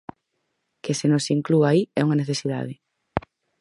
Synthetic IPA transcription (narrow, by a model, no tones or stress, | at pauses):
kɪsenosiŋkluaiɛuŋɐneθesið̞a̰ðɪ